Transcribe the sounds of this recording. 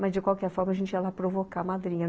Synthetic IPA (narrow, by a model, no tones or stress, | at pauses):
mɐzd͡ʒɪkwawkɛɾfɔɾmɐʒẽnt͡ʃɪɛlapɾovokamad̪ɾĩɲɐ